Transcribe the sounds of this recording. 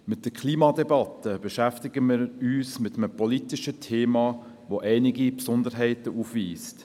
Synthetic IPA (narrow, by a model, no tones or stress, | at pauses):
mɪt̚d̥əkʰliːmɑdɛbɑtəb̥eʃæftɪɡəmɪːɾyːsmɪtəməpɔlitɪʃətʰeːmɑː | ʋoʔɛɪnɪɡipsʊnd̪əɾɦɛɪtəufʋiːst